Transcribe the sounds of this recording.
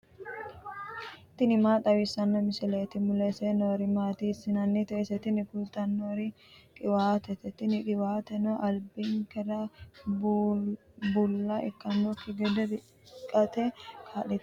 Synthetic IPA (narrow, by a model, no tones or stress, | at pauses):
t̪ɪnɪmaːt̪ʼɐwɪsːɐnːɔmɪsɛlɛːt̪ɪmʊlɛsɛnoːɾɪmaːt̪isːɪnɐnːɛt̪ɛːsɛt̪ɪnɪkʊlt̪ɐnːoɾɪ | kʼɪwaːt̪ɛt̪ɛt̪ɪnɪkʼɪwaːt̪ɛnoʔɐlbɪŋkɛɾɐ | bʊlːɐɛ̰kːɐnːokɪɡɛd̪ɛd̪ɪ | kʼːɐt̪ɛkʰaːlɛt̪